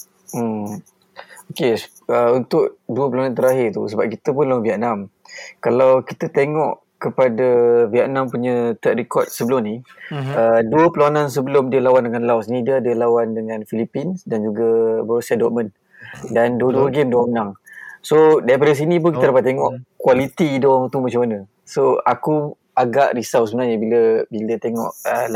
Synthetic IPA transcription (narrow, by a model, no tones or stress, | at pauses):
m̩ | oke | əunt̪ʊʔduəpəlawanant̪əɾaɦɪrt̪ṵsəbap̚kit̪əp̬ʊnlawanviaʔnam | kalawkit̪ət̪eŋɔʔ | kəpadaviaʔnampuɲə̃t̪əʔrikɔt̪̚səbəlʊmniəduəpəlawanãns̬əbəlʊmdiəlawandəŋanlawsnĩdiəadəlawandəŋãnfilipinsdand͡ʒuɡabəsadɔʔ̚mən | danduəduəɡemdoaŋənaŋsodajp̬adəs̬inĩp̬ʊnkit̪əɾapat̪eŋɔʔkuwalit̪idoaŋt̪umat͡ʃamanə | soaku | aɡaʔɾisawsəbənarɲəbiləbilət̪eŋɔ̰ʔə